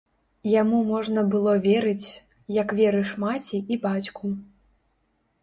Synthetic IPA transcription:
jamumɔʐnɐbɨlˠɔvʲɛɾɨt͡sʲ | jɐkvʲɛɾɨʂmat͡sʲiibat͡sʲku

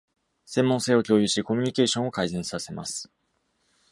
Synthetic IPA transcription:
sẽ̞mːõse̞ːo̞kʲo̞ːjɯɕiko̞mʲiɲ̟ike̞ːɕõo̞kaizẽ̞ɰ̃sase̞ma̰sɨ̥

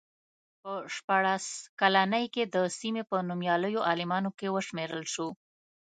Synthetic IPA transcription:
pəʃpɑɽaskalanəjked̪əsimepənumjɑləjoʔɑlɪmɑnokewəʃmeɾəlʃo

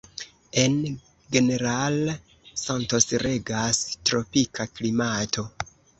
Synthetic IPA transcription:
e̞n | ɡe̞ne̞ɾal | santo̞sɾe̞ɡastɾo̞pikʰaklimatʰo̞

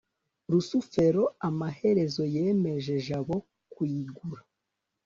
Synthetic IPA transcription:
ɾusufe̞ɾo̞amaɦe̞ɾe̞zo̞je̞ːme̞ʒe̞ʒaβo̞ | kwiːɡuɾa

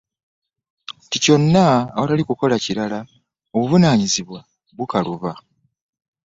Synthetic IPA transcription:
tico̞nːaːwatalikuko̞laciɾala | o̞βuvunaːɲiziβwa | βukaluβa

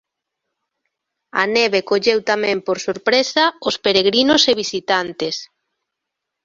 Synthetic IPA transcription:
a̰neβekoʎewt̪amɛ̃mpoɾsoɾpɾesaospeɾeɣɾinoseβisit̪ant̪es

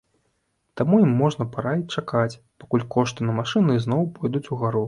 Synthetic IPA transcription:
t̪amujimːɔʐnɐpaɾait͡ʂakat͡sʲ | pakulʲkɔʂt̪ɨnɐmaʂɨnɨznɔwpɔjd̪ut͡sʲuɣaɾu

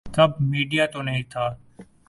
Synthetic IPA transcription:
k̪əb̚ʱmiːɖijaːt̪oːnəɦĩːt̪ʰaː

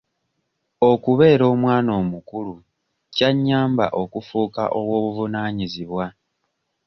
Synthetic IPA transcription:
o̞kuβe̞ːɾo̞ːmwaːno̞ːmukulu | caɲːaːmba̰ʔo̞kufuːka̰ʔo̞βwo̞ːβuvunaːɲiziβwa

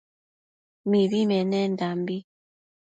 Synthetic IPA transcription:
miβimɛnɛndambi

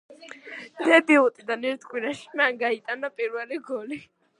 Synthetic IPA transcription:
d̪̥ɛbiut̪ʼid̪anɛɾt̪ʰkʼwiɾaʃi̥manɡait̪ʼanapʼiɾvɛliɡɔli

